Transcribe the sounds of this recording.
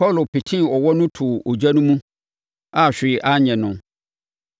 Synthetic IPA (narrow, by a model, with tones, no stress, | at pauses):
pɔ˦˨lo˨pi˨tʰĩ˦ɔ˨wɔ˦nʊ̃˦tʰʊ˨o˨d͡ʑa˦nʊ̃˦mũ˦ | a˨ɕᶣɪ˨ʔa˦ɲɛ̃˨nʊ̃˨